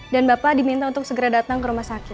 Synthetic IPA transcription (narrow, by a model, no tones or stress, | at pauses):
danbapadimint̪aunt̪ʊk̚səɡəɾadat̪aŋkəɾumahsakɪt̪̚